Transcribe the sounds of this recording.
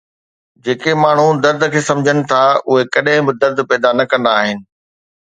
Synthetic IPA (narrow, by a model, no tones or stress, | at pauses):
d͡ʑeːkemaːɳ̤ud̪ɐɾd̪əkʰeːsɐ̃md͡ʑʱənɪ̆t̪ʰaʊɦekɐɗɦɪ̃bɪd̪ɐɾd̪pɛːd̪anɐkɐ̃nd̪aːɦɪnɪ̆